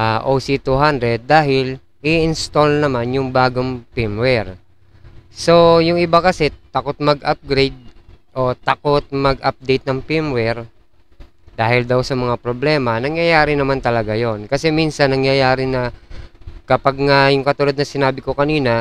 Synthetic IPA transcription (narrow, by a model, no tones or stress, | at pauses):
aʔosit̪uɦand̪ɾɛd̪̚ːaːhɪl | ɪʔɪnst̪olnɐmanjʊŋbaːɡoŋpɪmwɛɹ | so̞jʊŋʔɪbakɐsɛt̪ɐko̞t̪̚mɐɡʔap̚ɡɾejd̪̚ʔo̞t̪ɐko̞t̪̚mɐɡ̚ʔap̚d̪ejt̪̚nɐŋpɪmwɛɾ | d̪̥aːhɪld̪awsɐmɐŋapɾoblɛːmɐnɐŋjɐjaːɾɪnɐmant̪ɐlɐɡajo̞nkɐsɛminsɐnːɐŋjɐjaːɾɪnɐ | kɐpaɡ̚ŋajʊŋkɐt̪ʊlod̪nɐsɪnaːbɪkokɐniːnɐ